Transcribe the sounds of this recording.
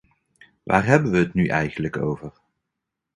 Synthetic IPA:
ʋʔa̰ːrɦɛbənʋəɦːtnyʔɛjχənləko̰wvər

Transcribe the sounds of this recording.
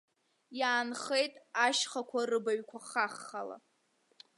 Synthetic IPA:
jaːnχe̞jtʼaʃχakʷʰarɨbaɥkʷʰaχaχːala̰

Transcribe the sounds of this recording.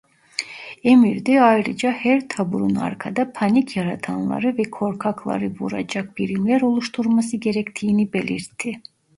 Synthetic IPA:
emiɾd̪ɛajɾɯd͡ʒahæɾt̪ʰabuɾuna̰ɾkʰad̪apʰanicʰjaɾat̪ʰanlˠa̰ɾɯvɛkʰo̞ɾkʰakʰlˠa̰ɾɯvuɾa̰d͡ʒak̚b̥iɾimlʲæɾo̞lˠuʃt̪ʰuɾmasɯɟe̞ɾɛct̪ʰiːnibe̞lʲiɾt̪ʰːi

